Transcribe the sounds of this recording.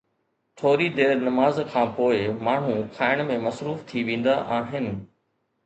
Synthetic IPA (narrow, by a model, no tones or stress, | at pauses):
t̪ʰoːɾid̪eːɾnɐmaːzkʰãːpoːɪmaːɳ̤ũkʰaːɪɽ̃mẽmɐsɾuːft̪ʰiʋẽːn̆d̪aʔaːɦɪnɪ̆